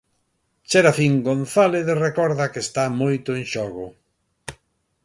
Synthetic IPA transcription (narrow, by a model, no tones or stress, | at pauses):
t͡ʃeɾaθiŋɡonθaleðerekɔɾðakest̪amojt̪ʊeŋʃɔɣʊ